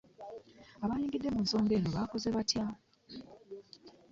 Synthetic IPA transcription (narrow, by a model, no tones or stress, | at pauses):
aβajiːŋɡidːe̞munso̞ːŋɡe̞ːnoβaːko̞ze̞βatja